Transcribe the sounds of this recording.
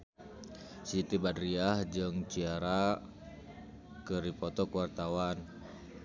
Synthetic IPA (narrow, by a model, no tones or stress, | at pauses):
sit̪ibadɾiahd͡ʒɨŋt͡ʃiaɾa | kərɾipɔt̪ɔkwart̪awan